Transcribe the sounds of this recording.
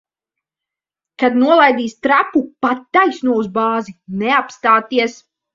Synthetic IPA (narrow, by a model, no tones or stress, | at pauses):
kad̪nuɔlˠajd̪iːst̪ɾapupat̪ːajsnuɔuzbaːzinɛapst̪aːt̪iɛs